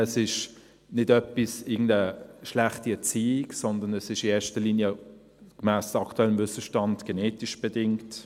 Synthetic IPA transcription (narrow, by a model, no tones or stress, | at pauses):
ɛsɪʃ | nɪdœpisɪɐɡ̚ŋ̩n̩dəʃlæχtiɛɐt͡siːɪksɔndənɛsɪʃɪeːɐʃtəliːnjə | ɡ̥mɛːsɑktuɛləmvʏsəʃtɑndɡ̥ɛneːtiʃb̥ɛdɪŋt